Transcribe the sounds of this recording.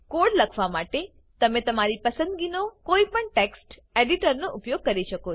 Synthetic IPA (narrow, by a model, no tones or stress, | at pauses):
koːɽləkʰʋamaʈe | t̪ɐmẽt̪ɐmaɾipəsə̃nd̪ɡinokoipəɳʈeːksʈ | eɖiʈəɾnoʔʊpjoɡ̚kɐɾiʃəko